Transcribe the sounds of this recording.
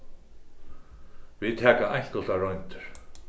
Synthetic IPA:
viðt̪ʰɛːkaʔajɲ̥k̪ɔ̥t̪aɾɔɥjnt̪ʏ̥ɾ̥

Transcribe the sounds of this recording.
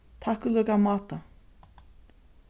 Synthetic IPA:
t̪ʰahkʏlœːkamaːt̪a

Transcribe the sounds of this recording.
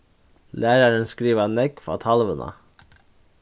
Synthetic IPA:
læːɾɑɾənskɾiːʋɑnɛkfɑ̰ːt̪ʰɑlʋənʔə̰

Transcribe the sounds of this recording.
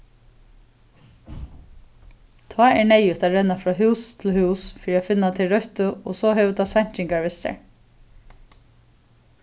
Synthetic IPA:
t̪ʰɑːɛɹɳɛjʏt̪ʰaɾɛnafɾɑːɦʉːst̪ʰɪlhʉːsfɔɾiaːfɪnːat̪ʰɪɾœht̪ʊɔ̰ːsɔɦɛːʋət̪ʰaːsaɲ̥t͡ʃɪŋkaɹʋɪst̪ɛ̰ɹ

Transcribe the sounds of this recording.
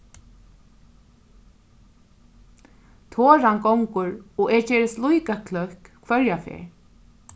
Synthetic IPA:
t̪ʰoːɹankɔwŋkʊɹɔʔɛːɹcɛːɹɪslujkakʰlœhkkʰvœɹjafɛ̰ːɹ

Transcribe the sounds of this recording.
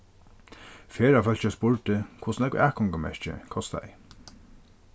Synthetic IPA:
fɛːɹafœl̥t͡ʃaspʊɹʈ̪əkʰʊsnɛkʔæːkʰɔŋkamɛ̰ɹt͡ʃɪ̰kʰɔst̪a̰ɪ̰

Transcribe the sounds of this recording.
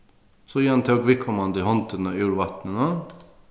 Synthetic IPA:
sɔjiːɑnt̪ʰɛɔɡʋɪkʰɔmɑnd̪ɪhɔnt̪ənəjuːɾʋɑt̪nənə

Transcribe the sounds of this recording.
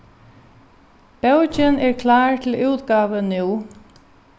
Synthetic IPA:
b̥œwt͡ʃɪnɛɹkʰlɑːɹt̪ʰɪluːt̪ɡɑːʋənuː

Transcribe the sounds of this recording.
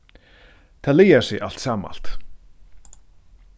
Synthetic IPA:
t̪ʰaðlejḁsɪɣʔa̰l̥t̪saːma̰l̥t̪

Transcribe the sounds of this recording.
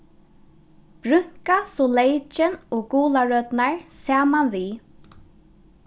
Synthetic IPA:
b̥ɾʏŋ̥kasɔlejt͡ʃɪnɔːɡuːlaɹœt̪naɹsaːmanviː

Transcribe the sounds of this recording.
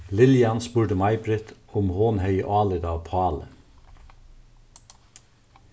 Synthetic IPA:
lɪljɑnspʉːʈəmɑɪbɾɪt̪ʰʊmhoːnhœʏʔɑːləd̪ɑːʋpʰɑːlə̰

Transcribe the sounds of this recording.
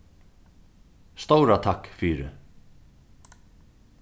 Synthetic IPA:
st̪owɾat̪ʰahkfiːɾɪ̰

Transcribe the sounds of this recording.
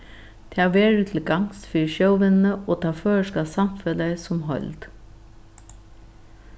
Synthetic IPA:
t̪ʰɛaʋeːɹʉt̪ʰɪlɡaŋsfiːɹʃowʋɪnnəʔoːt̪ʰɑːføːɹəʂkasamfɛləsʊmɦɔ̰ʏlt̪

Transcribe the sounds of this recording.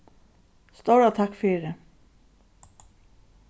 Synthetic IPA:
st̪owɾat̪ʰakfiːɾɪ

